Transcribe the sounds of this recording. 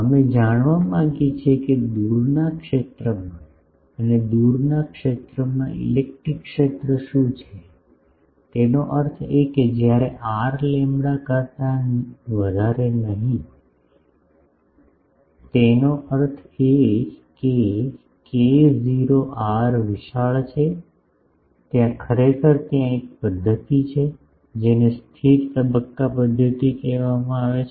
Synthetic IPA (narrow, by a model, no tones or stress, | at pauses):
əmed͡ʒaɽ̃ʋamãŋɡit͡ʃʰeked̪uɾnakʃet̪ɾəmã | əned̪uɾnakʃet̪ɾəmãʔḭlek̚ʈɾikːʃet̪ɾəʃũt͡ʃʰe | t̪enoʔəɾt̪ʰeked͡ʒjaɾeʔaɾlembɽakəɾt̪aʋəd̪ʱaɾenəɦĩ | t̪enoʔəɾt̪ʰeke | keziɾoʔaɾʋɪʃaɭt͡ʃʰe | t̪jãkʰəɾekʰəɾt̪jãek̚pəd̪ʱːət̪it͡ʃʰe | d͡ʒenest̪ʰiɾt̪əbəkːapəd̪ʱːət̪ikɛʋamãaʋet͡ʃʰ